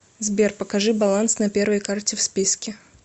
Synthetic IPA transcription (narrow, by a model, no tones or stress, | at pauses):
zbʲerpəkɐʐɨbɐlˠansnɐpʲe̞rvəjkartʲɪfspʲiskʲɪ